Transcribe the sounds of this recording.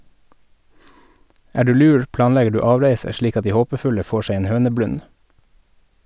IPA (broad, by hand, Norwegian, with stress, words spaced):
ˈæː ˈɖʉː ˈlʉːɾ ˈplɑːnˌlɛɡə ˈɖʉː ˈɑːʋɾeɪsə ˈʃɭiːk ˈɑt ˈdiː ˈhoːpəˌfʉlə ˈfoː ˈʃeɪ ˈeːn ˈhøːnəˌblʉn